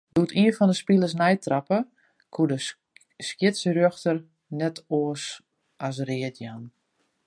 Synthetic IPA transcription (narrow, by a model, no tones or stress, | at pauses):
dutiənfɔndəspilˠəs̬nɛjtrapə | kʰudə | skjɪtsrøxtər | nɛtoəs | as̬rɪətjan